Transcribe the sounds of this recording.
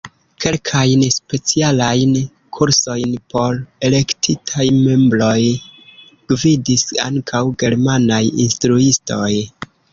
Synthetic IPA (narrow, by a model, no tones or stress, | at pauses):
ke̞lkʰajnspe̞t͡sialajn | kʰuɾso̞jnpo̞ɾe̞le̞ktʰitʰajme̞mblo̞j | ɡ̥vidisa̰ŋkʰawɡe̞ɾmanajḭnstɾuisto̞j